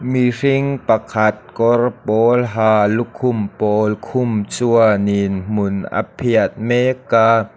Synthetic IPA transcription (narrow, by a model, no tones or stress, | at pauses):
miriŋpɐkʰat̪̚kɔrpɔːlɦaːlukʰːʊmpɔːlkʰʊmt͡suəninm̥ʊnʔa̰pʰiət̪̚mɛkaː